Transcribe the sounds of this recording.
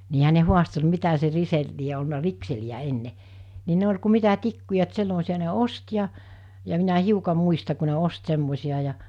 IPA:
niːhæ ne huɑstel mitæ se risel lie olnɑ rikseliæ enːe ni ne olʲ ku mitæ tikːujɑ et semːosiɑ ne ost jɑ jɑ minæ hiukɑ muistɑ ku ne ost semːosiɑ jɑ

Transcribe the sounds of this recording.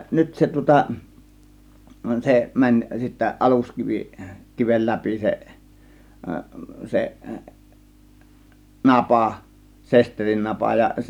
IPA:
nyt se tŭŏtɑ se mænʲ sitːæ ʔɑluskiʋi kiʋel læpi seʔ seʔ nɑpɑˑ sesterinːɑpɑ jɑ

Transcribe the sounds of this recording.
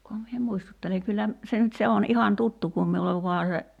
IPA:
kuhɑm mie muistutːeleŋ kylːæ se nyt se on ihɑn tutːu kum miuleʋ ʋuɑ se

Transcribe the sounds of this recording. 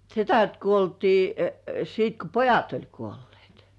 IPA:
setæt kuoltiː sit ko pojɑt olʲ kuolːĭeˑt

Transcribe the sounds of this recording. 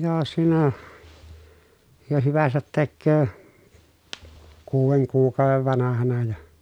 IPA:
jo siːnæ jo hyʋæsæt tekːøː kuːʋeŋ kuːkˑɑˑoʋeʋ ʋɑnɑhɑnɑ jɑ

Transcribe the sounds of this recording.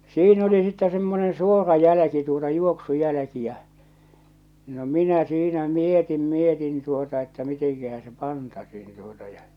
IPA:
siːn oli sitːɛ semːonẽː suorɑ jælæ̆ki tuotɑ juoksujælæ̆ki jæ̠ no minæ siːnæ mietim mietin tuotɑ etːæ miteŋkæhæ se pɑntɑsiːn tuotɑ jɑ

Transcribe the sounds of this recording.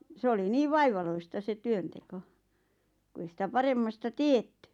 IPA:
se oli niː ʋɑiʋɑloistɑ se tyønteko kŭ ei sĭtæ pɑremːɑstɑ tietːy

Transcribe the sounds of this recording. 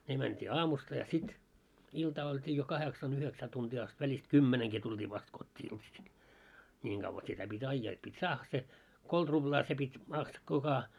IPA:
ne mæntʲiː ɑːmustɑ jɑ sit iltɑː olʲtiː jo kɑheksɑn yheksæː tuntiː ɑst ʋælʲist kymːeneŋki tultʲiː ʋɑst kotʲːiː iltɑsil nʲiːŋ ɡ̊ɑʋːɑ sitæ pitʲ ɑijːɑː et pitʲ sɑːhːɑ se kolt rub̥lɑː se pitʲ mɑks kukɑ

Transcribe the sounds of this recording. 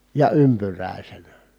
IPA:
jɑ ympyrˑæˑisenæ

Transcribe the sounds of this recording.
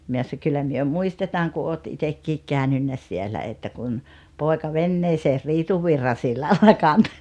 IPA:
myø sɑ kylːæ myø muistetɑːŋ ku oːt itekːiːk kæˑønynːæ sielæ etːæ kun poˑekɑ ʋenːeːseːr riːtuʋːirːɑ silːɑlːɑ kɑnto

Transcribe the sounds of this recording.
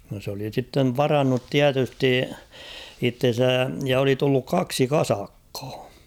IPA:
no s oli sitːeʋ ʋɑrɑnːut tiætysti itːen̞sæ jɑ oli tulːuk kɑksi kɑsɑkːɑ̥ː

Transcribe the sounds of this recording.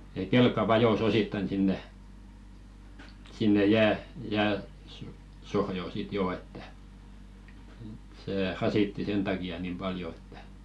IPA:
jɑ kelkˑɑ ʋɑjos ositːɑĭn sinːe sinːe jæː jæːsosohjoˑ sit joː etːæ seˑ rɑsitːi sen tɑkiɑ nim pɑljo e̥tːæ̥

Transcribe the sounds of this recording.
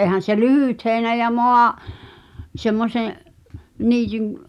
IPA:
eˑhæn̞ se lyhyˑt heːĭnæ jɑ moɑ semːoseʔ niːtyn

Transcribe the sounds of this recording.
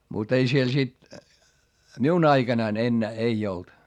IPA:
mut ei siel sit miun ɑiɡ̊ɑnɑin enːæː ei olt

